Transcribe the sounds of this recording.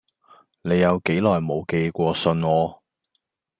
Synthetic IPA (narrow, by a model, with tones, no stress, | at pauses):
ne˨˧jːɐ˨˧wke˨˥jlɔː˨˩jmo˨˧wke˧jkʷɔː˧sɵ˧nŋɔː˨˧